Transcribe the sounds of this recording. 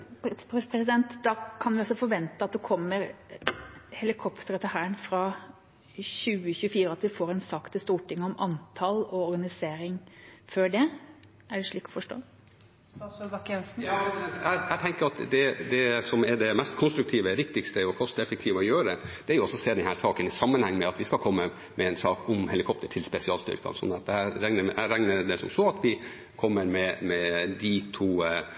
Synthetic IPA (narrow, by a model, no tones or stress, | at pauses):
pʰɛpʰɾɛsɪd̪ɛnt̪d̪ɑkʰɑnʋɪɔsɔfɔɾʋɛnt̪əɑt̪̚d̪ɛkʰɔmːəɾ | hɛlɪkʰɔpt̪əɾət̪ʰəɦæːənfɾɑ | çʉːəçʉːəfiːɾəɑt̪ʋɪfoːɾɛnsɑkt̪ʰɪst̪uːʈʰɪŋːəɔmʔɑnt̪ʰɑlɔɔɾɡɑnɪseːɾɪŋføːɖɛ | ʔæɖɛʂɭiːkːɔ̥fɔʂʈo̰ː | dɑkːɛnsn̩jɑɛt̪ææɪt̪ʰɛŋkəɾɑt̪d̪ɛd̪ɛsɔmɛɖɛmɛst̪kʰʊnst̪ɾʉkt̪ʰiːʋəʋɪk̚t̪ɪkst̪əɔkʰɔst̪əɛfɛk̚t̪ʰiːʋɔjøːɾəd̪ɛd̪̥ɛæɾjʊɔsːɔseːd̪ɛnhæːɾsɑːkənɪsɑmːənhɛŋːmɛɑt̪ʋɪskɑlkʰɔmːə | mʔɛɛnsɑːkʰʊmhɛlɪkʰɔp̚t̪əʈʰɪlspɛsɪɑːlst̪ʏ̰ɾkɑ̰sɔ̰nɛt̪ːæɾæŋnəʔæɾæŋnəd̪ɛsɔ̰msɔːɑt̪ʰʋɪ | kʰɔmːəɾmɛmɛd̪ɪt̪ʰuː